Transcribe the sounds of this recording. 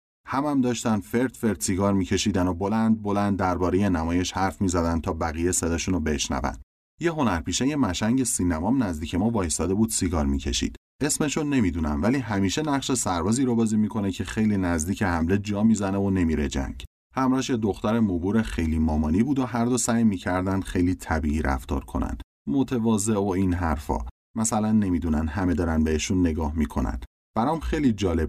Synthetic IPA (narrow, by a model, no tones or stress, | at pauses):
hæmæmd̪ɒːʃt̪ænd̪fe̞ɾd̪fe̞ɾd̪̥siɡɒːɾmicʰe̞ʃiːd̪æno̞bo̞lænd̪̚bo̞lænd̪̚ːæɾbɒːɾe̞je̞næmɒːje̞ʃhæɾfmiːzæd̪ænt̪ʰɒːbæɣijese̞d̪ɒːʃunobe̞ʃnæ̰væ̰n | je̞ɦo̞næɾpʰiːʃejemæʃæɲɟe̞siːnæmɒmnæzd̪iːcʰe̞mɒːvɒːjsɒːd̪e̞buːd̪̥siɡɒɾmicʰe̞ʃḭd̪̥ | e̞sme̞ʃone̞miːd̪uːnæmvæliːɦæmiːʃe̞næʁʃe̞sæɾbɒːziːɾobɒːziːmikʰo̞ne̞cʰe̞xe̞jliːnæzd̪iːcʰehæmle̞d͡ʒɒːmiːzæne̞vone̞miːɾe̞d͡ʒæ̰ŋɟ | hæmɾɒːʃed̪oxt̪æɾemobuːɾexe̞jliːmɒːmɒːniːbuːd̪oɦæɾd̪osæjmiːcʰæɾd̪ænd̪xe̞jliːt̪ʰæbiiːɾæ̰ft̪ɒ̰ːɾkʰo̞̰næ̰nd̪̥ | mot̪ʰe̞vɒːze̞oinɦæɾfɒ̰ː | mæsælænːemiːd̪unænd̪hæme̞d̪ɒːɾænbeeʃunːe̞ɡɒːhmikʰo̞̰næ̰nd̪̥ | b̥æɾɒːmxe̞jlid͡ʒɒːle̞b̥̚